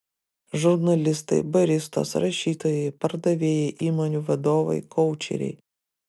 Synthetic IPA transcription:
ʒʊɾnɐlʲɪst̪ɐɪbɐɾʲɪst̪o̰ːsɾɐʃʲiːt̪oːjɛɪpɐɾd̪ɐʋʲeːjɛʔiːmoːnʲuʋɐd̪oːʋɐ̰ɪkɔʊt͡ʃʲɛ̰ɾʲɛ̰ɪ

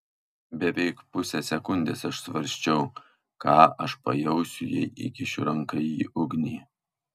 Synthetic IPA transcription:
bʲɛʋʲɛɪkpʊsʲɛsʲɛkʊnʲd̪ʲḛːsɐʃsʋɐɾʲsʲt͡ʃʲɛʊ | kɑːʔɐʃpɐ̰jɛʊsʲʊjɛ̰ʔɪ̰kʲɪʃʲɾɐŋkɐjiːʔʊɡʲnʲiː

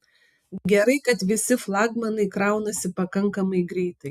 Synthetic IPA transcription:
ɡʲɛɾɐɪkɐt̪ʋʲɪsʲɪflˠɑːɡmɐnɐɪkɾɑˑʊnɐsʲɪpɐkɐŋkɐmɐɪɡɾʲɛɪt̪ɐɪ

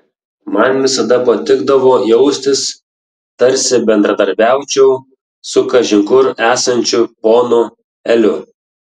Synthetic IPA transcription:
mɐnʋʲɪsɐd̪ɐpɐt̪ʲɪɡd̪ɐʋoːjɛʊsʲt̪ʲɪs | t̪ɐɾʲsʲɪbʲɛnd̪ɾɐd̪ɐɾʲbʲæˑʊt͡ʃʲɛʊ | sʊkɐʒʲɪŋkʊɾæːsɐnʲt͡ʃʲʊpoːnʊ | ɛlʲʊ

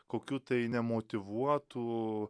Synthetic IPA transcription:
koːkʲuːt̪ɐɪnʲɛmoːt̪ʲɪʋuɔt̪u

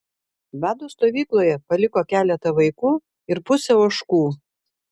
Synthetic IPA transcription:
ʋʲæːd̪uːst̪oːʋʲiːklˠoːjɛpɐlʲɪkoːkʲæːlʲɛt̪ɐʋɐɪkuː | ɪɾpʊsʲɛʊɐʃkuː

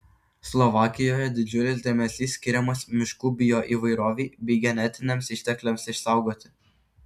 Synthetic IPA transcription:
slˠɔʋɑːkʲɪjoːjɛd̪ʲɪd͡ʒʲʊlʲɪs̬d̪ʲeːmʲɛsʲiːsʲːkʲɪɾʲɛmɐsmʲɪʃkuːbʲɪjoːʔiːʋɐɪɾoːʋʲiːbʲɛɪɡʲɛnʲɛt̪ʲɪnʲeːmsɪʃʲt̪ʲɛklʲemsɪʃsɑˑʊɡoːt̪ʲɪ̥

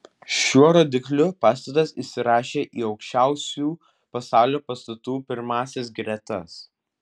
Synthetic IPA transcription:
ʃʲuɔɾod̪ʲɪklʲʊpɑːst̪ɐt̪ɐsisʲɪɾɑːʃʲeːʔiːɒʊkʃʲt͡ʃʲæˑʊsʲuː | pɐsɑˑʊlʲoːpɐst̪ɐt̪uːpʲɪɾmɑːsʲɛs̬ɡɾʲɛt̪ɐs

